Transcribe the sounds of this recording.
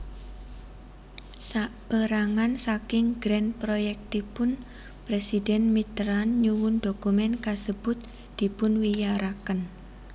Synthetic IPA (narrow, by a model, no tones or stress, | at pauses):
saʔb̥əɾaŋansakɪŋɡ̥ɾɛnpɾojɛk̚t̪ipʊn | pɾesidɛnmit̪ɾanɲuwʊndokumɛnkasəb̥ʊt̪̚ | d̪̥i̤pʊnwijaɾakən